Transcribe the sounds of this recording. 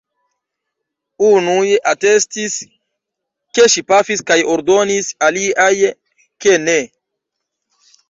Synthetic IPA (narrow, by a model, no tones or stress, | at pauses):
unujʔate̞stis | ke̞ʃipafiskajo̞ɾdo̞nisaliaj | kene̞